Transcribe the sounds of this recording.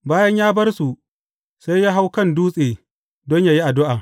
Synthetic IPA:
baː˦jɐ˦ɲjaː˦bɐ˦rsu˨ | sa˦jjaː˦ɦa˦wkɐ˦˨nduː˦sʼeː˨ | dɔ˦ɲjaː˦ji˦ʔa˨dʊ˦ʔaː˨

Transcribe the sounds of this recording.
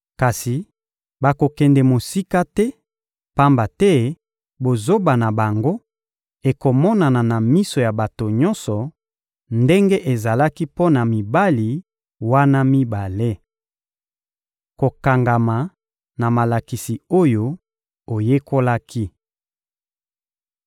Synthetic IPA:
ka˨si˨ | ba˨ko˨kɛ˨ndɛ˨mo˨si˦ka˦tɛ˦ | pa˦mba˨tɛ˦ | bo˨zo˦ba˨na˨ba˨ŋɡo˦ | e˨ko˨mɔ˦na˨na˨na˨mi˦so˨ja˨ba˨to˨ɲɔ̃˦nsɔ˨ | nde˦ŋɡe˦ʔe˨za˨la˦ki˦po˦na˨mi˨ba˦li˨ | wa˦na˦mi˦ba˨le˦ | ko˨ka˨ŋɡa˨ma˨ | na˨ma˨la˨ki˨si˨o˦jo˦ | o˨je˦ko˦la˦ki˦

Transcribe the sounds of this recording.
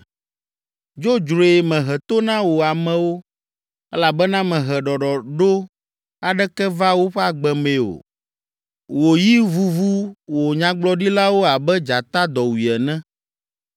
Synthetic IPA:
d͡ʒo˦d͡ʒɾo˨e˨mɛ̃˨ɦɛ˨t̪o˦nã˦wo˨a˨mɛ̃˨wo˦ | ɛ̰˦la˨bɛ˦nã˦mɛ̃˨ɦɛ˨ɖɔ˨ɖɔ˨ɖo˦ | a˨ɖɛ˦kɛ˦va˦wo˦ɸɛ˦a˨ɡ͡bɛ˨mẽ˨o̰˨ | wo˨ji˦vu˦vu˦wo˨ɲã˨ɡ͡blɔ˦ɖi˦la˦wo˦a˨bɛ˦d͡ʒa˨t̪a˦d̪ɔ˨wi˨ɛ˨nɛ̃˦

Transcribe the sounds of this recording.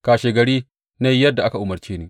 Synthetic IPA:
kaː˨ʃe˨ɡɐ˨ɽiː˦ | na˦jjɐ˦dːa˨ʔa˦ka˨ʔʊ˨mɐ˨ɾt͡ʃeː˦nɪ˦

